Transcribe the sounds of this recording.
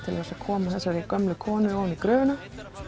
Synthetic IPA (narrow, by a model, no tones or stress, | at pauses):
t̪ʰɪla̰ɛɾsakʰɔːmaθɛsːaɾikœmlʏkʰɔːnʏoːwnikɾœːvɪna